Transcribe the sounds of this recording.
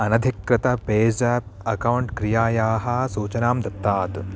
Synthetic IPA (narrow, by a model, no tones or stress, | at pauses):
ɐnɐd̪ʱikɾɐt̪ɐpeːd͡ʒɐːp̚ɐkɐwɳʈkɾijaːjaːɦɐsuːt͡ʃɐnaːmd̪ɐt̪ːaːt̪